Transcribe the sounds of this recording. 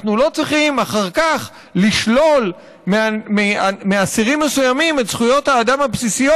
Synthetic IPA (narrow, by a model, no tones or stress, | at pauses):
nulo̞t͡sʁiχimaχaʁkaχ | liʃlo̞l | meameameasiʁimːesujamimetsχujo̞thaːdamhapsisijo